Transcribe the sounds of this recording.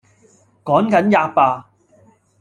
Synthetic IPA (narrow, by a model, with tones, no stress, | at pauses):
kɔː˨˥ŋkɐ˨˥njaː˧k̚paː˧